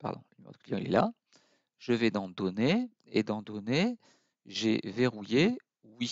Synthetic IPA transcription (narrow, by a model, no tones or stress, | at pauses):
pa̰ʁd̪ɔ̰̃limɛ̰ʁd̪əklijɑ̃ḭlɛ̰la | ʒəvɛd̪ɑ̃d̪ɔne | ed̪ɑ̃d̪ɔne | ʒeveʁuje | wi